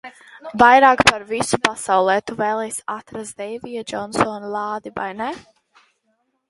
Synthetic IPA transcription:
vajɾaːkpaɾvisu̥pasawlˠɛːt̪uvɛːlˠɛjsat̪ɾazd̪ɛjvijad͡ʒɔnsɔːnlˠɑːd̪iva̰jnɛ

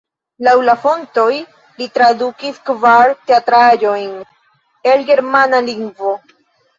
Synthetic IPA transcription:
lawlafo̞nto̞j | litɾadukiskvaɾteatɾad͡ʒo̞jn | elɡe̞ɾmanaliŋɡvo̞

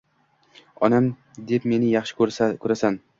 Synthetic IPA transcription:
ɒnam | d̪e̞pme̞nɪjɑχʃɪ̥kʰɵɾasan

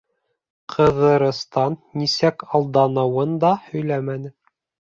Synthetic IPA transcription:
qʰɤ̆ðɤ̆ɾɤ̆st̪ɑnːisækɑlˠd̪ɑnɤ̆wɤnd̪ɑhɵ̆jlæmænɘ

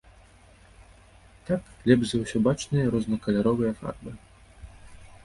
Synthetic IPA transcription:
t̪aklʲɛbʐzɐwsʲɔbat͡ʂnɨjɐɾɔznɐkɐlʲaɾɔvɨjɐfa̰rbɨ

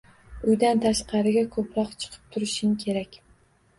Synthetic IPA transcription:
ʊjd̪ant̪ʰaʃqʰɑɾɪɡʲakʰɵpɾɒqt͡ʃʰɨ̥qʰɨ̥p̚t̪ʰʊɾɪʃɪŋkʲʰe̞ɾakʲ

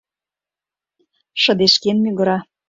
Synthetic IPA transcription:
ʃɤ̆d̪eʃkenmyɣɤ̆ɾɑ

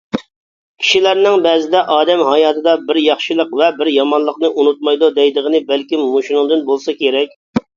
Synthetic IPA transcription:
kʲʰi̥ʃilæɾnɪŋbɛːzɪd̪ɛʔɑːd̪ɛmɦɑjɑːt̪ʰɨd̪ɑbɪɾjɑχʃɨlˠəqvɛbɪɾjɑmɑnlˠəqnɨʔunut̪̚mɑjd̪ud̪ɛjd̪əʁənɨbælkʲimːoʃinɨŋd̪ɨnbolˠsɑkʲʰeɾɛkʲ

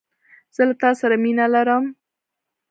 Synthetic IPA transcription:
z̥əlat̪ɑsaɾaminalaɾəm

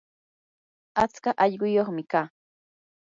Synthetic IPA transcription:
at͡skaʔɑʎɢʊjoχmɪkaː

